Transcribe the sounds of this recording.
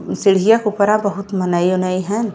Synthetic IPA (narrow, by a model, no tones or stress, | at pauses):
sɪɽijãkupəɾãbəɦʊt̪mənəjonəiɦɛ̃